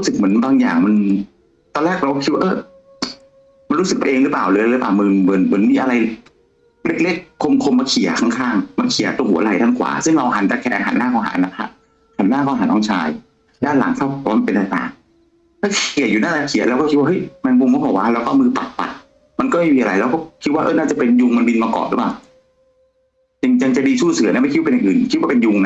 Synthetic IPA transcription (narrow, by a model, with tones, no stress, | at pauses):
ɾsɯ˨˩k̚mɯ˩˦ənbaː˧ŋja̰ː˨˩ŋma˧n | t̪ɔː˧lɛː˥˩k̚ɾa˧wkːɔ˥˩kʰi˦waː˥ʔɤː˧˩ | ma˧nɾuː˦˥sɯ˨˩pa˧˨ʔeː˧ŋɾɯ˦˥paː˨˩wlɯː˨˦˧lɯ˦˥plaː˨˩wmɯː˧mɯ˩˦nmɯ˩˦nmiː˧ʔa˧ɾa˧j | le˦˥k̚le˦˥˩k̚ʰːo˧mkʰo˧maː˧kʰi˨˩˦ɐkʰa˥˩ŋkʰaː˥˩ŋmaː˧kʰi˨˩˦ɐt̪o˧ŋhu˩˦˧la˧˩jta˧˥˩nkʰwa̰ː˩˦sɯ˥˩ŋɾa˧wɦa˨˩˦nt͡ɕa˨˩kʰɛː˧a˧ŋɦa̰˨˩˦nːaː˥˩kɔ˧ɦa̰˨˩˦nːa˦˧˥pʰa̰˦˥ | ha˨˩˦nːaː˥˩kɔː˧˥˩ɦa˨˦nɔː˧˥˩ŋt͡ɕʰa̰ː˧j | lɛ˦˥la̰˩˦ŋt̪sʰaː˥˩wbwaː˥˧ma˧pe˧nt̪a˨˧˩t̪a̰ː˨˩ŋ | t̪ʰaː˥˩kʰi˨˩əjuː˨˩naː˥˩˨aː˧kʰi˨˦lɛː˦˥wkɔː˥˩kʰi˦t̚waː˥˧hɤ˦˥jma˧nmu˧ŋɔː˧˦˥bɔː˨˩k̚waː˦˥˩lɛː˦˥wkɔː˥˩mɯː˧pa˨˩t̪̚pa̰˨˩t̪̚ | ma˧nkɔː˥˩ma˥˩jmiː˧ʔa˧a˧jlɛː˦˥wkɔː˥˩kʰi˦˥waː˥ʔɤ̰˦˧˥naː˥˩t͡ɕa˨˩pe˧nju˧ŋma˧nbi˧nmaː˧kɔ̰ː˨˩nlɯ̰˦˥˩paː˨˩w | t͡ɕi˧ŋt͡ɕa˧ŋt͡ɕa˨˩diː˧suː˥˩sɯ˨˩˦ɐna˦ma˥˩kʰi˦t̚a˧jʔɯː˨˩nkʰi˦t̪waː˥˩pe˧nju˧ŋna˦˥